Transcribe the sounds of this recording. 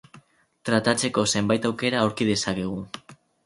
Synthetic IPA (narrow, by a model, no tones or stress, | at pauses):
t̪ɾat̪at͡se̞ko̞se̞mbajt̪awke̞ɾaoɾkið̞e̞sake̞ɣ̞u